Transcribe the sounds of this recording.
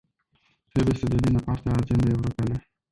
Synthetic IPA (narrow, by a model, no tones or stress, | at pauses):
t̪ɾebujesəd̪elinəpaɾt̪eaːd͡ʒend̪aewɾopale